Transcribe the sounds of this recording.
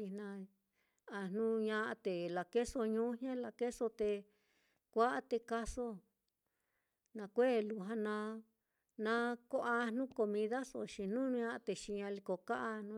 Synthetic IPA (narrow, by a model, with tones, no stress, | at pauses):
i˧nã˧ | a˧n̥nũ˦ɲã˧ʔa˧t̪e˨la˨ke˦so˧ɲũ˦hẽ˦la˧ke˦so˧t̪e˧ | kʷa˦ʔa˦t̪e˧ka˦so˦ | nã˧kʷe˦˨lu˧˨ɦã˧nã˧ | nã˧ko˦ʔa˧nũ˦ko˧mĩ˧ða˦so̰˧˨ʃi˧n̥nũ˦˧ɲã˧ʔa˧t̪e˨ʃi˧ɲã˧li˧ko˨ka˦ʔa˧nũ˦